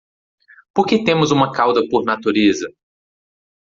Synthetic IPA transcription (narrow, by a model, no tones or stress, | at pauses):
poɾket̪ẽmʊzũmɐkawd̪ɐpoɾnat̪uɾezɐ